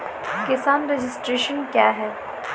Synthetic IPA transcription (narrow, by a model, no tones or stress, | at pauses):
kɪsaːnɾeːd͡ʒɪsʈɾeːʃənkjaːɦɛː